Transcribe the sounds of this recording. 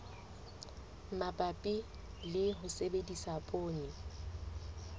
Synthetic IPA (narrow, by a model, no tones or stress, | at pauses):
mapʼapʼi | lɪɦʊsebedisapʼoːnɪ